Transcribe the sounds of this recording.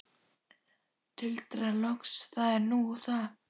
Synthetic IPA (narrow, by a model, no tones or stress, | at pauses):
t̪ʰʏlt̪ɾalɔksθaðɛɾnuθa